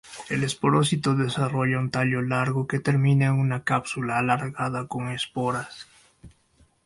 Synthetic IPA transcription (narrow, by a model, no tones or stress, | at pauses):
e̞lespoɾosit̪oðe̞saro̞ʎaunt̪aʎo̞laɾɣoket̪e̞ɾmĩnaeŋunakapsulaːlaɾɣaðako̞ŋe̞spoɾas